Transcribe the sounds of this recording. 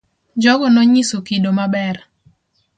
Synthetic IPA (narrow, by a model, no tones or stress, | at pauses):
d͡ʒɔɡɔnɔɲisokidomabɛr